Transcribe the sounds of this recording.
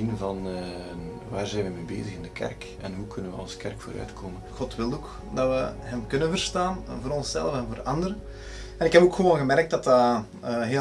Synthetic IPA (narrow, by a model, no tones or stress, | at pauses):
invɑn | ʋaːrzɛjnʋəmeːbḛːzəɣɪndəkɛ̰rk | ɛnɦukʰɵnənʋəɑ̰lˠskɛrkfo̰ːɾœ̰ɥtkʰoːmənxɔtʋɪlˠoːk | dɑʋəɦɛmkɵnənvərstaːnvoːɾɔnsɛ̰lˠəfɛnvoːrɑndəɾə | ɛnɪkɦɛpoːkxəʋoːnɣəmɛrk̚tdɑtaː | ɦeː